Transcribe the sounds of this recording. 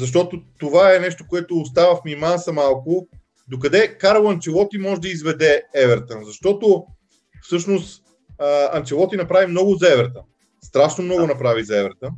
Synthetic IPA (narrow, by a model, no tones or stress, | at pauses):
zɐʃ̬t̪ɔt̪ot̪ovaɛnɛʃt̪okoɛt̪oːs̬t̪avəfmʲimansɐmalˠkʊ | d̪ok̬ɐd̪ɛkaɾlˠɐnt͡ʃɛlˠɔt̪imɔʒɛd̪ɐizvɛd̪ɛɛvɛɾt̪ənzɐʃt̪ɔt̪o | fsɤʃnost̪ | əɐnt͡ʃɛlˠɔt̪inɐpɾavimnɔɡʊzɛvɛɾt̪ə | st̪ɾaʃnomnɔɡʊnɐpɾavizɛvɛɾt̪ən